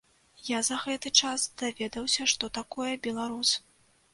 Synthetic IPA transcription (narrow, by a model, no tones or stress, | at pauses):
jazɐɣɛt̪ɨt͡ʂasd̪̥avʲɛd̪ɐwsʲɐʂt̪ɔt̪akɔjɐbʲɛlˠaɾus